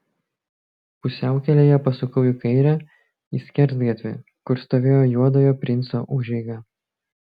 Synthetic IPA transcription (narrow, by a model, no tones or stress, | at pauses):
pʊsʲæˑʊkʲɛlʲeːjɛpɐsʊkɐʊjɪkɐɪɾʲæ | iːsʲkʲɛɾʲˑsd̪ɡʲɐt̪ʲʋʲɪ̰ | kʊɾst̪oːʋʲeːjoːjuɔd̪oːjoːpʲɾʲɪnt̪so̰ːʔʊʒʲɛɪɡɐ